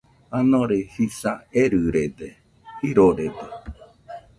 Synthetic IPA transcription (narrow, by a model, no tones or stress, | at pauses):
anõɾehisaeɾɨɾed̪e | hiɾoɾed̪e